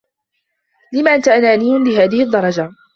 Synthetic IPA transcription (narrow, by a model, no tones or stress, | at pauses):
lɪmaːʔant̪aʔanaːniːhɪmlɪɦaːðɪhɪd̪ˤːɑɾˤɑd͡ʒa